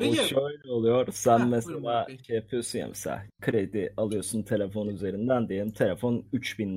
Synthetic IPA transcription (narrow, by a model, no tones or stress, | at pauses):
uʃøjlʲɛolˠujoɾsænmɛselʲaːʃejapʰɯjosunja̰mesa̰kʰɯɾed̪ialˠɯjo̞ɾsunt̪ʰe̞lʲefo̞nuyze̞ɾind̪ænd̪ejelʲimt̪ʰe̞lʲefo̞nyt͡ʃbin